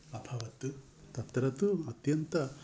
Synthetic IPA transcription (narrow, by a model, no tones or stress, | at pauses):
ɐbʰʱɐʋɐt̪u | t̪ɐt̪ɾɐt̪uɐt̪jɐnt̪ɐ